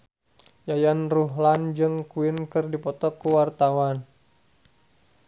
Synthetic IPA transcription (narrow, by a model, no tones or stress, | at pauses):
jajanruɦland͡ʒɨŋkuɪnkɨrdipɔt̪ɔkəwart̪awan